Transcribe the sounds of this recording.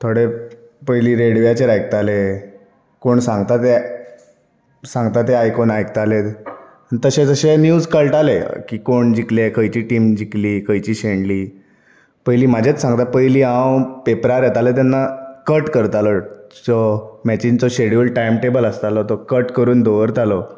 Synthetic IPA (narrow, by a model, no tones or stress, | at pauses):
t̪ʰoɽe | pəjliːɾeɽʋijat͡ɕeɾajk̚t̪ale | koɳsãŋɡt̪at̪e | sãŋɡt̪at̪eajkonajkt̪alet̪ | nt̪əɕed͡zəɕenjuːd͡zkəɭʈalḛkiːkoɳd͡ʑiklekʰəjt͡ɕiːʈiːmd͡ʑikliːkʰəjt͡ɕiːɕeɳliː | pəjliːmad͡ʑʱet͡ssãŋɡt̪apəjliːɦãwpepɾaɾjɛt̪alet̪̬anːakəʈkəɾt̪alɔt͡sɔmɛt͡ɕint͡sɔɕeɽəlʈajmʈebələst̪alɔt̪ɔkəʈkəɾuːnd̪oʋəɾt̪alɔ